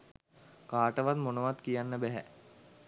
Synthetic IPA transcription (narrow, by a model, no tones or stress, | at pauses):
kaːʈəʋat̪monəʋat̪kijanːəbæɦæ̰